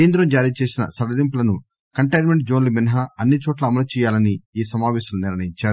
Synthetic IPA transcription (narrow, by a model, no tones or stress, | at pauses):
eːnd̪ɾɐmd͡ʒaːɾiːt͡ʃeːsinɐ̰sɐɽɐlimp̬ulɐnu | kɐɳʈɐjnmeɳʈ̚d͡ʒo̞ːnluminɐɦɐɐnːit͡ʃɔːʈlɐɐmɐlɐt͡ʃɛːjaːlɐniiːsɐmaːʋɛːʃɐmluniɾɳɐjiɲt͡ʃaːɾu